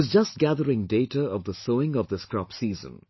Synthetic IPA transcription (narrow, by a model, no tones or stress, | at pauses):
ʌzd͡ʒʌst̚ɡ̥æðəɹɪ̃ŋdeɪʈəɔvðəsoʊɪ̃ŋʌvðəskɹɔpsiːzə̰̃n